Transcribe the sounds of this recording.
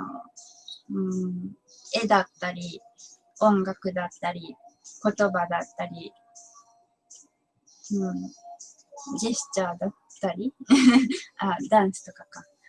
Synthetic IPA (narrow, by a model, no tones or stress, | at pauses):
o̰ː | ɯ̟̃ɴ | e̞d̪at̪ːaɾʲi | õ̞ŋɡakɯ̟d̪at̪ːaɾʲiko̞t̪o̞bad̪at̪ːaɾʲi | ɯ̟̃ɴ | d͡ʑisɨ̥t͡ɕaːd̪at̪ːaɾʲi | ad̪ãɰ̃sɨ̥t̪o̞kaka